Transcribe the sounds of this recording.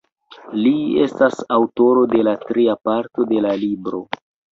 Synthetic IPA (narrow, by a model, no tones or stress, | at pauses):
liestasawto̞ɾo̞de̞latɾiapaɾto̞de̞lalibɾo̞